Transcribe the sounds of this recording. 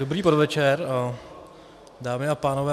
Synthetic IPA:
dobɾiːpodvɛt͡ʃɛɾ | daːmɪapaːnovɛː

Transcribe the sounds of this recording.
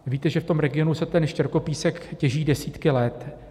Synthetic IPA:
viːt̪ɛʒɛft̪o̞mɾɛɡɪjo̞nusɛt̪ɛnʃcɛɾko̞piːsɛkcɛʒiːdɛsiːt̪kɪlɛt̪

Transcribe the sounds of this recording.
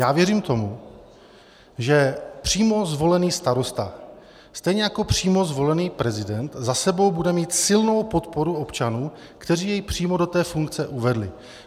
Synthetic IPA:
jaːvjɛriːmt̪o̞mu | ʒɛpr̝̥iːmo̞zvo̞lɛniːst̪aɾo̞st̪a | st̪ɛjɲɛjako̞pr̝̥iːmo̞zvo̞lɛniːpɾɛzɪdɛnt̪zasɛbo̞wbudɛmiːt̪sɪlno̞wpo̞t̪po̞ɾuo̞pt͡ʃanuː | kt̪ɛriːjɛjpr̥iːmo̞dot̪ɛːfuŋk̚t͡sɛʔuvɛdlɪ̰

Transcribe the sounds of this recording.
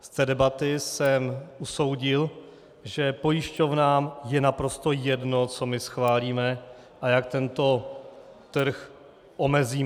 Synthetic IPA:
st̪ɛːdɛbat̪ɪsɛmʔuso̞wɟɪl | ʒɛpo̞jɪʃco̞vnaːmjɛnapɾo̞st̪o̞jɛdno̞t͡so̞mɪsxvaːliːmɛ | ʔajak̚t̪ɛnt̪o̞ | t̪r̩x | ʔo̞mɛziː

